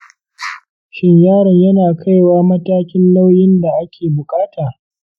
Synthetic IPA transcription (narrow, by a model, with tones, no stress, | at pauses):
ʃɪ˦ɲjaː˦˨ɾɪ˨ɲjɐ˦naː˨kʰa˦jwaː˦mɐ˦taː˦kʲɪ˦nla˦wjɪ˦nda˨ʔa˦kʲeː˨bʊ˨kʼaː˦tʰaː˨